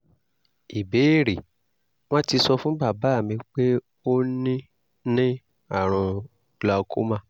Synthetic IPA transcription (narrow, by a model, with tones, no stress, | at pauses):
i˨be˨˦˨ɾi˨ | w̃ɔ̃˦ti˧sɔ˧fũ˦ba˦˨ba˨˦˨mĩ˧k͡pe˦ | o˦nĩ˦ | nĩ˦ | a˦˨ɾ̃ɔ̃˧ | la˧kʰo˦mã˦˨